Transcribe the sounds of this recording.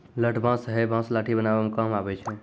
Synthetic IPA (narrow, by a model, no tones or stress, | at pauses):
ləʈʰbʱãsɦɛbãslaʈʰibənabamẽkamabɛt͡ʃʰɛ